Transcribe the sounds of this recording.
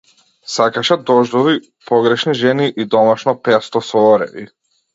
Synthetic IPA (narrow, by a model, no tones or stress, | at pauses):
sakaʃɛd̪ɔʒd̪ɔvi | pɔɡɾɛʃniʒɛniʔid̪ɔmaʃnɔpɛst̪ɔsɔɔɾɛ̰vḭ